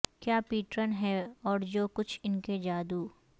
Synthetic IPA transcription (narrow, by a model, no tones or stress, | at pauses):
kjaːpiːʈɾənɦɛɔːɾd͡ʒoːkʊt͡ʃʰɪnked͡ʒaːd̪uː